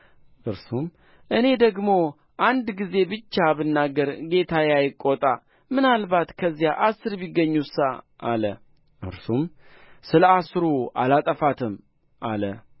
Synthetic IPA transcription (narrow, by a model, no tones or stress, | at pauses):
ʔɨɾsum | ʔɨne̞d̪əɡmo̞ | ʔand̪ɡize̞bɨt͡ʃːabɨnːaɡːəɾɡe̞t̪ʰajajɪkʼːot̪ʼa | mɨnalbat̪kʰəzːijaʔasɨɾbiɡːəɲːusa | ʔalə̰ | ʔɨ̰ɾsumsɨləasɾua̰lat̪ʼəfat̪ʰɨm | ʔa̰lə